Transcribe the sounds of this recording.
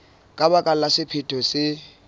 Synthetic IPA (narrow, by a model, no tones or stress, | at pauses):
kʼabakʼal̩lasɪpʰɪtʰɔsɪ